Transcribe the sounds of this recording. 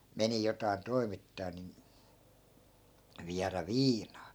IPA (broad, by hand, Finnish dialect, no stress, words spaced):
meni jotɑi̯n toi̯mitːɑː nin ʋiæræ ʋiːnɑː